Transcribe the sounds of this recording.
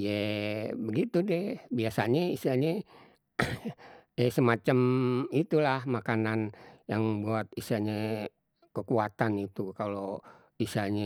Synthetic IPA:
jabəɡit̪udɛbiasaɲaisaɲɛ | ɛsəmat͡ʃamit̪ulahmakananjaŋbuat̪̚isaɲa | kəkuat̪anit̪ukalo | isaɲa

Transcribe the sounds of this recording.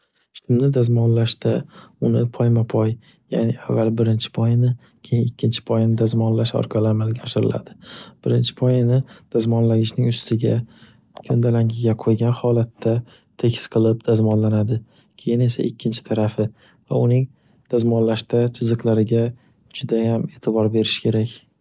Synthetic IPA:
ʃt̪ʰɪmnɪd̪azmɒnlaʃt̪aʊnɪpʰɒjmapʰɒj | ja̰niavːalbɪɾɪnt͡ʃʰɪ̥pʰɒjɪnɪ | kʲʰejɪnɪkʲʰːɪnt͡ʃʰɪ̥pʰɒjnɪd̪azmɒnlaʃɒ̰ɾqʰɑlɪamalɪɡʲaɒʃɪɾɪ̰la̰d̪̥ɪb̥ɪɾɪnt͡ʃʰɪ̥pʰɒjɪnɪd̪̥azmɒnlaɡʲɪʃnɪŋʊst̪ʰɪɡʲa | kʲʰɵnd̪alaŋʲɪɡʲaqʰojɡʲanhɒlat̪ʰːa | t̪ʰe̞kʲʰɪ̥sqʰɨlˠɪp̚d̪̥azmɒnlanad̪ɪ | kʲʰe̞jɪne̞sa̰ʔɪkʲʰːɪnt͡ʃʰɪ̥t̪ʰaɾafɪ | va̰ʊnɪŋ | d̪̥azmɒnlaʃt̪at͡ʃʰɪzɨqlˠaɾɪɡʲa | d͡ʒʊd̪ajame̞ːt̪ʰɪbɒɾbe̞ɾɪʃkʲʰe̞ɾakʲ

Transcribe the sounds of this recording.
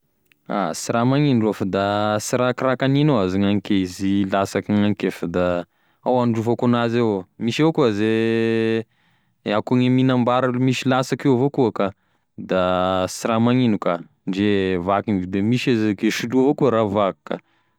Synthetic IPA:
a̰siɾamaŋinɖ͡ʐoafad̪asiɾakɾakaninoaziŋaŋikeizilasakiŋaŋikefad̪a | awanɖ͡ʐufakonazewmiʃeokuaze | akuŋeminambaɾamiʃilasakewavokuaka | d̪asiɾamaŋinuka | ɳɖ͡ʐevakinvid̪emiʃazekeʃiluavokuaɾavakka̰

